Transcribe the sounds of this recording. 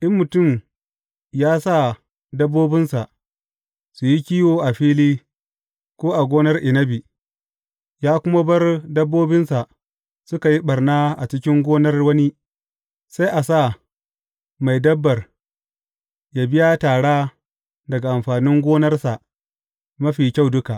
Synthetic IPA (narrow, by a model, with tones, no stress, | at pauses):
ʔɪ˦mːʊ˨tʊ˦˨m | jaː˦sa˦˨ | dɐ˦bːoː˦bɪ˦nsa˨ʔ | su˨ji˦kʲiː˦woː˨ʔa˨ɸiː˦liː˦ | kʷoː˦ʔa˨ɡʷoː˦nɐ˦rʔɪ˨nɐ˦bi˨ | jaː˦kʷʊ˦ma˦bɐ˦rdɐ˦bːoː˦bɪ˦nsa˨ʔ | sʊ˦ka˨ji˦ɓɐ˨rnaː˦ʔa˨t͡ʃɪ˦kʲɪ˦ŋɡʷoː˦nɐ˦rwɐ˦ni˦ | sa˦jʔa˨sa˦˨ | ma˨jdɐ˦bːɐ˨r | jaː˨bɪ˦ja˦taː˨ɽaː˦ | dɐ˨ɡa˨ʔa˨mɸaː˨nɪ˦ŋɡʷoː˦nɐ˦rsa˨ʔ | mɐ˦ɸiː˨kʲa˦˨wdʊ˦ka˨ʔ